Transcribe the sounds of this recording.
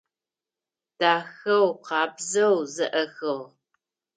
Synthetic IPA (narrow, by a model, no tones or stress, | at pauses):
d̥aːxɐwqɑːbzɐwzɨʔɐxɨʁ